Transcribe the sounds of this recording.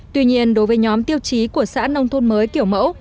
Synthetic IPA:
t̪wi˧ɲi˧ənɗo˨˦jvəː˨˦jɲɔ˨˦mt̪i˧əwt͡ɕi˨˦ku˧˩əsa̰ː˧˥nə˧wŋ͡mt̪ʰo˧nməː˨˦jki˧˩əwmə̰˧˥w

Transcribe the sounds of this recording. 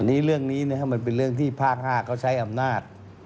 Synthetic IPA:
nːiː˦˥ɾɯ˥˩əŋniː˦˥na˦˥˩kʰa˦˥˩ma˧np̬e˧nɾɯ˥˩əŋt̪ʰiː˥˩pʰaː˥˩k̚haː˥˩kʰaː˦˥˩wt͡ɕʰa˦˥jʔa˧mnaː˥˩t̪̚

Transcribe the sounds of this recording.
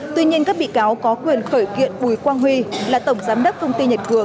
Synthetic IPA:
t̪wi˧ɲi˧ənkaː˦˥k̚ɓḭ˧˨kaː˨˦wkɔ˨˦kwi˨˩ənxəː˧˩jkḭ˧˨ənɓu˧˩jkwaː˧nɦwi˧laː˨˩t̪ə˧˩wŋ͡mzaː˨˦mɗə˦˥k͡p̚k̪ʰə˧wŋ͡mt̪i˧ɲə˨˩t̚kɨ˨˧˩əŋ

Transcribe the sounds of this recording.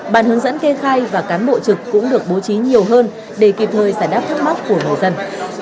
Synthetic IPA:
ɓaː˧˩nhɨ˨˦əŋzə̰˧˥nke˧xaː˧jvaː˨˩kaː˨˦nɓo̰˧˨t͡ɕɨ˨˩kːʊ̰˧˥ŋ͡mɗɨ˨˩ək̚ɓo˨˦t͡ɕi˨˦ɲi˨˩əwɦəː˧n | ɗe˧˩ki˨˩p̚t̪ʰəː˨˩jzaː˧˩nɗaː˦˥p̚t̪ʰa˦˥k̚ma˦˥t̚ku˧˩əŋɨ˨˩jzə˧n

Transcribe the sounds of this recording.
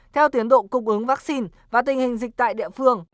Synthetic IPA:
t̪ʰɛ˧wt̪i˨˦ənɗo̰˧˨kʊ˨˩ŋ͡mʔɨ˨˦ŋvaː˦˥k̚si˧n | vaː˨˩t̪ï˨˩ŋ̟hï˨˩ŋ̟zï˨˩k̟̚t̪a̰ː˧˨jɗḭ˧˨əfɨ˧əŋ

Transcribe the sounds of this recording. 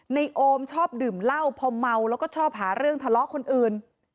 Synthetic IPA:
na˧jʔoː˧mt͡ɕʰɔː˥˩p̚dɯː˨˩mla˥˩wpʰɔ˧mːa˧wlɛː˦˥wkɔː˥˩ɔː˥˩p̚ɦaː˩˦ɾɯ˥˩əŋt̪ʰa˧lɔ˦˥ʔkʰo˧nʔɯː˨˩n

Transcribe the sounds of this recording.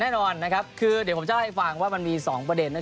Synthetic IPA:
nɛː˥˩nɔː˧nːa˦˥kʰa˦˥p̚kʰɯː˧d̪i˨˩˦pʰt͡ɕa˩˥˩ha˧˩jfa˨˩ŋwaː˥˩ma˧nmiː˧sɔː˩˦ŋpɾa˧de˧nːa˦˥

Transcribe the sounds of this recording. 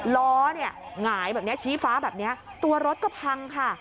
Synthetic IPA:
lɔː˦˥ni˥˩ɐŋaː˩˦jbɛː˨˩p̚ni˦˥ɐ˥t͡ɕʰiː˦˥faː˦˥bɛː˨˩p̚ni˦˥ɐ | t̪u˧ɐɾo˦˥t̪̚kɔː˥˩pʰa˧ŋkʰa˥˩

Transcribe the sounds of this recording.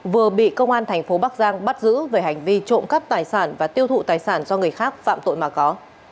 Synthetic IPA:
vɨ˨˩əɓḭ˧˨kə˧wŋ͡mʔaː˧nt̪ʰɛ˨˩ŋ̟fo˨˦ɓa˦˥k̚zaː˧ŋɓa˦˥t̚zɨ̰˧˥veː˨˩ha˨˩jŋ̟vi˧t͡ɕo̰˧˨nka˦˥p̚t̪aː˨˩jsaː˧˩nvaː˨˩t̪i˧əwt̪ʰṵ˧˨t̪aː˨˩jsaː˧˩nzɔ˧ŋɨ˨˩əjxaː˦˥k̚fa̰ː˧˨mt̪o̰˧˨jmaː˨˩kɔ˨˦

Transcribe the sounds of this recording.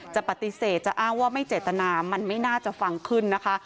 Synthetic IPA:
t͡ɕa˨˩pa˨˩t̪i˧˦seː˨˩t̪̚t͡ɕa˨˩ʔaː˥˩ŋwaː˥˩ma˥˩jt͡ɕeː˨˩t̪ːa˧naː˧ma˧nma˥˩jnaː˥˩t͡ɕa˨˩fa˧ŋkʰɯ˥˩nːa˦˥kʰa˦˥

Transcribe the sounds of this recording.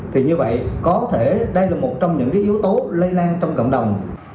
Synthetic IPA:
t̪ʰi˨˩ɲɨ˧və̰˧˨jkɔ˨˦t̪ʰe˧˩ɗə˧jlaː˨˩mo˨˩t̚t͡ɕɔ˧wŋ͡mɲɨ̰˧˥ŋkaː˨˦jʔi˨˦əwt̪o˨˦lə˧jlaː˧nt͡ɕɔ˧wŋ͡mkwŋ͡mɗə˨˩wŋ͡m

